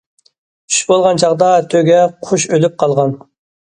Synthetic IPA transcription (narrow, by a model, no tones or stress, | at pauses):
y̥ʃbolˠʁɑnt͡ʃʰɑʁd̪ɑt̪ʰøɡʲɛqʰoʃølyp̚qʰɑlˠʁɑn